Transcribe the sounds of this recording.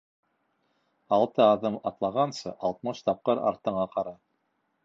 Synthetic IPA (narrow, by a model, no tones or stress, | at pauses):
ɑlˠt̪ɤɑðɤmɑt̪lˠɑʁɑnsɤʔɑlˠt̪̚mɤʃt̪ɑp̚qɤɾɑ̰ɾt̪ɤ̆ɴɑqɑɾɑ